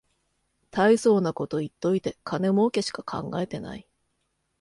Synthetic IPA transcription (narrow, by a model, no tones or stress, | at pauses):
t̪aiso̞ːnako̞t̪o̞it̪ːo̞it̪e̞kʰane̞mo̞ːke̞ɕi̥kakʰã̰ŋɡae̞t̪e̞na̰i